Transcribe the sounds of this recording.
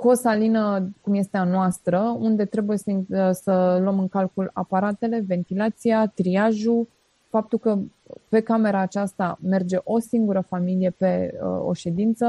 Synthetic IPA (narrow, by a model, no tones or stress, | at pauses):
ko̞salinəkumje̞st̪e̞anoast̪ɾəund̪e̞t̪ɾe̞buje̞səsələmɨŋkalkula̰paɾat̪e̞le̞ve̞nt̪ilat̪sijat̪ɾiaʒu | fap̚t̪ulkə | pe̞kame̞ɾaːt͡ʃast̪ame̞rd͡ʒe̞ʔo̞siŋɡuɾəfamilije̞pe̞ə̰o̞̰ʃe̞d̪int̪sə